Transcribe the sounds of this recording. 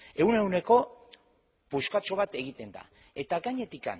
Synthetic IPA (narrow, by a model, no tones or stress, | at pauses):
e̞une̞wne̞ko̞ | puskat͡ʃo̞β̞at̪e̞ɣit̪e̞nd̪a̰ | e̞t̪aɡaɲe̞t̪ika̰n